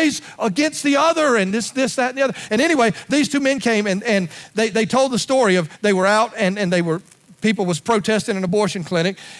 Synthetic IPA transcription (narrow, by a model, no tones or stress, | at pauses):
ɪz | əɡɛ̃nst̪̚ðiʌðə˞ɨ̃nðɪsðɪsðɨɾn̩ðiʌðə˞ɨ̃ɾ̃ɛɾ̃iweɪðiz̥tʰʉmɛ̃nkʰẽɪ̃mɨ̃nɨ̃nðeɪðeɪtʰoʊlˠd̪̚ðəstɔɹiʌvðeɪwə˞aʊɾɨ̃nɨ̃nðeɪwə˞ | pip̬l̩ˠwʌz̥pʰɹ̥oʊtʰɛstɨ̃ŋɨ̃nəbɔɹʃɨ̃nkʰl̥ɪ̃ɾ̃ɨk̚